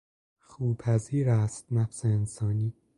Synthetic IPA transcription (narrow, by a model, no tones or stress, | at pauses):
xuːbʰæziːɾæst̪̚næfseːnsɒːniː